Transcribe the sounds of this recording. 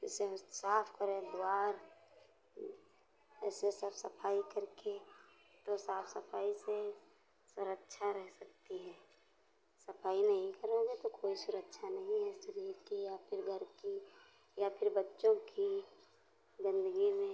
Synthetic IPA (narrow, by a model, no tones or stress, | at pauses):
ɪsesaːpʰkəɾẽd̪aːɾ | ɛːsesəbsəpʰaːikəɾke | t̪osaːpʰsəpʰaːise | sʊɾəkʃʰaɾɛɦsəkt̪iɦɛː | səpʰaːinɐɦĩkəɾoɡet̪okoːisʊɾəkʃʰanɐɦĩɦɛsəɾiːɾkijapʰɪɾɡʱəɾki | japʰɪɾbətːʃõki | zɪ̃nd̪əɡimẽ